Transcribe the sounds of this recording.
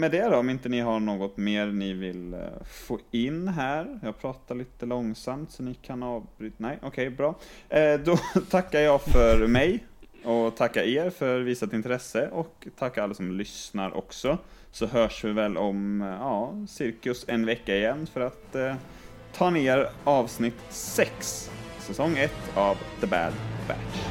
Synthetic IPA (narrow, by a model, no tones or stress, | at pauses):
mɛd̪ɛd̪ɔɔmɪnt̪ənɪɦaɳoːɡɔt̪meːɾnɪvɪlfoːɪnːɦæːɾjɑːɡ̚pʰɾɑːt̪aɭiːt̪əlɔŋsamt̪sɔnɪkʰanɑːvbɾyːt̪nɛjʔɔkʰɛjbɾɑːd̪ɔt̪ʰakːaɾjɑːɡfœɾmɛj | ɔt̪ʰakːaeːɾfœɾviːsat̪ɪnt̪ʰɾɛsːəʔɔkt̪ʰakːaalːasɔmlʏsnaɾʔɔ̰ksɔ | sɔɦœːʂvɪvɛlʔɔmjɑːsɪɾkɵsɛnvɛkːaɪjɛnːfœɾat̪ʰ | ɑːneːɾɑːvsnɪt̪sɛksːɛsɔŋːɛt̪ːavd̪əbæ̰d̪bæ̰